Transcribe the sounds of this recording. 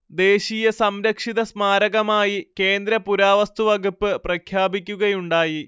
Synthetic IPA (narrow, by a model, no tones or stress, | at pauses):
d̪e̞ːɕijɐsɐmɾɐkʂiðɐsmaːɾɐɣɐmaːjike̞ːnd̪ɾɐpuɾaːʋɐst̪uʋɐɡupːɨprɐkʰjaːbikʲːuɣɐjuɳɖaːji